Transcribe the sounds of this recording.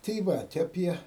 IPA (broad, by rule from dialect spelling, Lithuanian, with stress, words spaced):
tɐɪ ˈʋɐt ɐˈpʲiɛ